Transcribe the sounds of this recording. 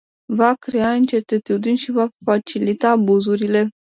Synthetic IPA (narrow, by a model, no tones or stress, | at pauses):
vakɾeaɨnt͡ʃe̞t̪et̪ud̪inʲʃivafat͡ʃilit̪aːbuzuɾile̞